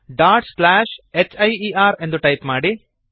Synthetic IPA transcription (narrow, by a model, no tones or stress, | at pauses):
ɖaːʈslaːʃet͡ʃːɐjiːaːɾe̞nd̪uʈɐjpmaːɽi